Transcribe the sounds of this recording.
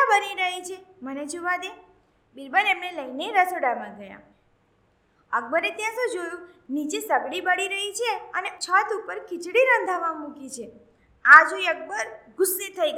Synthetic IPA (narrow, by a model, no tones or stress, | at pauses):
bəniɾəɦit͡ʃʰeməned͡ʒoʋad̪e | bɪlbəlemneləjneɾəsoɽamãɡəja̰ | əɡ̚bəɾet̪jãsũd͡ʒojũnid͡ʒesəbɽibəɽiɾəɦit͡ʃʰeənet͡ʃʰət̪upəɾkɪt͡ʃɽiɾə̃nd̪ʱaʋamũkit͡ʃʰe | ad͡ʒũək̚bəɾɡʊsːet̪ʰəjɡ